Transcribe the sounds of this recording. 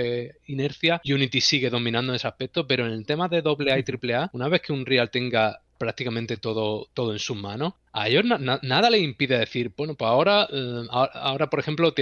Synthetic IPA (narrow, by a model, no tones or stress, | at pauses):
eine̞ɾθjaʝunit̪isiɣe̞ðo̞mĩnãnd̪onseahpe̞k̚t̪o̞pe̞ɾo̞enelt̪e̞maðe̞ðo̞βle̞ait̪ɾiple̞aunaβ̞e̞θkʰe̞unrialt̪e̞ŋɡa | pɾak̚t̪ikamẽnt̪e̞t̪o̞ðot̪o̞ðoe̞nsumãno̞h | a̰eʝonananaðaleimpiðeaðe̞θiɾbwenopwe̞saoɾaaoa̰o̞ɾapo̞ɾexe̞mplot̪